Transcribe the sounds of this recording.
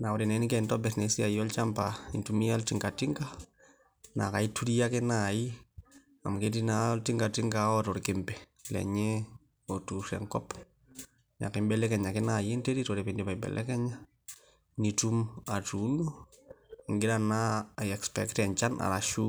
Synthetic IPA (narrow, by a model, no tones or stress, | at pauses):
naɔɾinɛnkɛntɔbɛtnesiajɔlt͡ʃampaintumialtiŋɡatiŋɡa | nakaituɾijakenaji | a̰mketinaltiŋɡatiŋɡaɔtɔɾkempɛlɛ̰ɲɛ | otusɛ̰ŋkɔp | ɲa̰kɪmbɛlɛkɛɲakɪnajenteɾitɔɾependipaibɛ̰lʔɛ̰kɛɲa | nitumatunu | iŋɡɪɾanaɛkspɛktɛɲt͡ʃanʔa̰laʃu